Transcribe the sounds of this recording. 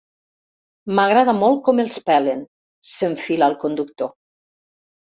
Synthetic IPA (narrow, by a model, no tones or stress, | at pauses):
maɣɾaðamɔl̚ˠkɔmelˠspɛlen | seɱfilalˠkond̪ukt̪o